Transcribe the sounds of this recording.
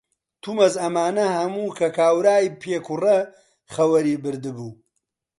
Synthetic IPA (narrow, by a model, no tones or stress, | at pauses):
t̪ʰumɐzɐmaːnɐhɐmuːkʰɐkʰaːwɾaːjpʰeːkʰurɐ | χɐwɐɾiːbɨɾd̪ɨbuː